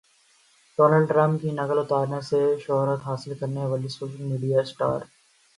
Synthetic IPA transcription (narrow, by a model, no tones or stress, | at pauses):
ɖɔːnəːlɖʈɾãmpkinɐkəlʊt̪aːɾnaseʃɔɦɾət̪ɦaːsɪlkɐɾneʋaːlisoːʃəlmiːɖijasʈa̰ːɾ